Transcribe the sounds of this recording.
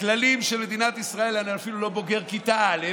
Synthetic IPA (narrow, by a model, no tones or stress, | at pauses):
klalimʃelme̞d̪inat̪isʁae̞laniafilulo̞bo̞ɡe̞ʁkit̪ale